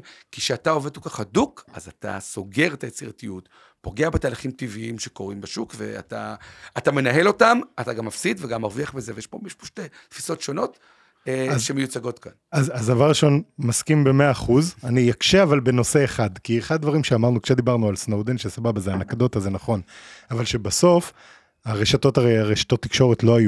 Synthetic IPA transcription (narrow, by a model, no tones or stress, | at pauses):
kiʃeatao̞ved̚pokaχhaduka̰zat̪a̰so̞ɡe̞ʁet̪ajet͡siʁatijut | po̞ɡe̞abetaːlaχimt̪iviimʃe̞ko̞ʁimbeʃukve̞̰a̰ta̰atame̞naɦe̞lo̞tamat̪aɡamːafsid̪veɡamːaʁviaχbeze̞vejeʃpo̞miʃpoʃte | t̪fi̥so̞tʃo̞no̞t̪ | azʃemejut͡saɡo̞t̪kanazazd̪avaʁːiʃo̞nmaskimbe̞meaːχuzanijakʃeavalbe̞no̞se̞eχad̪kieχad̪ad̪vaʁimʃeamaʁnukʃed̪ibaʁnualsnowd̪enʃesababazeanakad̪o̞tazenaχo̞navalʃe̞baso̞f | aʁe̞ʃato̞taʁeaʁeʃḁt̪o̞t̪ːikʃo̞ʁetlo̞aju